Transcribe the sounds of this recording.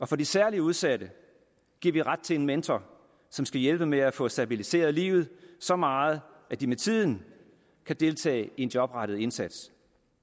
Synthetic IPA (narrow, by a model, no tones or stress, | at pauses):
ɒ̽fɒ̽d̥isæɐliəuð̞ˠsæd̥ə | ɡ̥iɐʋiʁɑ̈d̥̚t͡sʰe̝e̝nment͡sʰɒ | sɒ̽msɡ̥æjelb̥əmeæfɔ̽sd̥æb̥ilise̝̰ːɐð̞̩ˠlḭːʊð̩ˠsɒ̽mɑ̈ːð̩ˠʔæd̥imet͡sʰið̰ˠn̩ | kʰæd̥e̝lt͡sʰɛ̰ːe̝nd͡ʑ̥jɒ̽b̥ʁɑ̈ɾ̥əð̩ˠe̝nsæd̥s